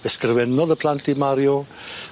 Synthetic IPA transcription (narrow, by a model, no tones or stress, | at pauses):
ɛskrɪvɛnɔðəpʰl̥ˠantʰimaɾjɔ